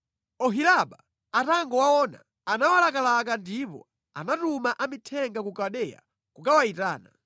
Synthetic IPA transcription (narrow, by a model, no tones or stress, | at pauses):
ɔɦilaɓa | ataŋɡɔwawɔːna̰ | anawalakalak̬andipɔ̰ | anatumaʔamitʰɛŋɡakukaɗɛja̰ | kukawaita̰ːna̰